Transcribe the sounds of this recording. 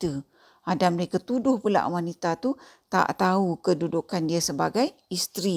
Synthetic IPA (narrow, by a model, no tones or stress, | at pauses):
t̪ə | adaməɾekat̪udʊhpula̰ʔwanit̪at̪ut̪a̰ʔt̪aukədudukandiasəbaɡajist̪ɾi